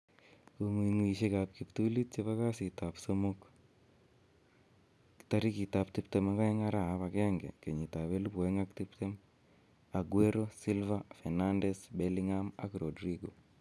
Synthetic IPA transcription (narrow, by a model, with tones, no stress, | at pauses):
koŋwi˨ŋwi˨ʃe˦ka˨p̚ki˨pt̪u˦li˦t̚t͡ʃeβa˦ka˦si˨ta˨psomuk | ta˦ɾi˦ki˨ta˨ptɪ˦pt̪ɛma˦ka˦ɪ˦ŋa˦ɾa˨a˦βa˨kɛ˦ŋɡɛ̰˨ke˨ɲi˨ta˨βe˦lu˦pwɛ˦ŋak̚ti˦pte˦m | a˨ɡweɾo˦si˦lva˦fɛ˨nandɛsbɛliŋama̰˦kɾo˨dɾiɡo˨